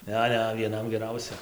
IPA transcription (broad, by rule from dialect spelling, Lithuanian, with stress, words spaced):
ˈnʲɛ ˈnʲɛ ʋʲiɛˈnɐm ɡʲɛˈrɐʊsʲɛ